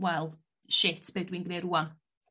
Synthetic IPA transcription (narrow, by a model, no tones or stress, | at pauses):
wɛlˠ | ʃɪtʰb̥edwinɡneɾuːan